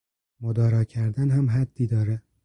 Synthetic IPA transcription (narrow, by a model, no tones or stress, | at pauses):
mod̪ɒːɾɒːcʰæɾd̪ænɦæmɦæd̪̥ːiːd̪ɒːɾe